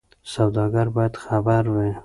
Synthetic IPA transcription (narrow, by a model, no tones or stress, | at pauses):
sawd̪ɑɡaɾbɑjad̪xabaɾwi